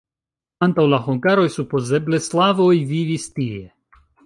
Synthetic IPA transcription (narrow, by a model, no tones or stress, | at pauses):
ant̪awlaɦoŋɡaɾojsupo̞ze̞ble̞slavo̞jvivist̪ie̞